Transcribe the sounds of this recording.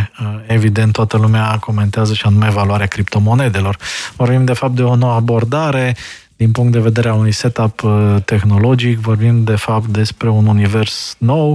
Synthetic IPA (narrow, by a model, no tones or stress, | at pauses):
e̞vid̪ent̪ːoat̪əlumeako̞me̞nt̪eazəʃianume̞ːvaluaɾeakɾip̚t̪o̞mo̞ne̞d̪e̞lo̞rvo̞rbimd̪e̞fap̚t̪̚d̪e̞o̞no̞wabo̞rd̪aɾe̞ | d̪inpuŋkt̪̚d̪e̞ve̞d̪e̞ɾeaunujse̞t̪apət̪exno̞lo̞d͡ʒikvo̞rbimd̪e̞fap̚t̪̚d̪e̞spɾe̞ununive̞rsno̞w